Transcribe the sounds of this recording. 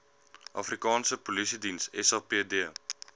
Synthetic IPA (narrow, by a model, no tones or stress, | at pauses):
ʔɑfrikɑːnsəpolisidinsɛsɑːpeədiə